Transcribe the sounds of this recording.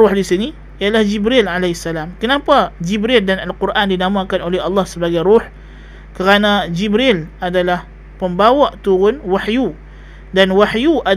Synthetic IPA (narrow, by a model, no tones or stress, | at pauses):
ʊhdisini | ijalahd͡ʒibɾilʕalasalamkənãpad͡ʒibɾɪldanalkuɾʔandinamãkanolɛɦɑlːɑhsəbaɡajɾuħ | kəɾanãd͡ʒibɾɪladalah | pəmbawaʔt̪uɾʊnwaħju | danwaħjuʔa